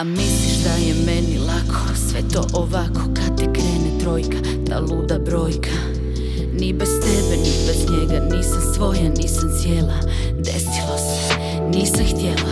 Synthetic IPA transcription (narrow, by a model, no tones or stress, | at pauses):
amisliʃd̪ajemenilakʰo̞̥sʋet̪o̞̰ːʔoʋakʰo̞kad̪̚t̪ekɾeːnet̪ɾo̞ːjka | t̪a̰luːd̪abɾo̞ːjkʰa | nibest̪ɛbenibezɲeɡaniːsamsʋo̞janiːsamsjela | d̪ḛsilˠase̥ | niːsɛxt̪jela